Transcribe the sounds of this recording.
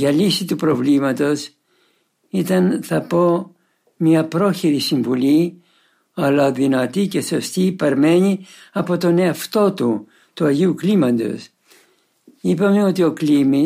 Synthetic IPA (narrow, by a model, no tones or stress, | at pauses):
ʝɐlisit̪upɾo̞vlimɐt̪o̞s | it̪ɐnθɐpo̞ | mɲɐpɾo̞çiɾisiɱvuli | ɐlɐðinɐt̪ice̞so̞st̪iːpɐɾme̞ɲiɐpo̞t̪o̞ne̞ɐft̪o̞t̪u | t̪uɐʝiuklimɐnd̪o̞̰s | ipɐme̞o̞t̪io̞klimi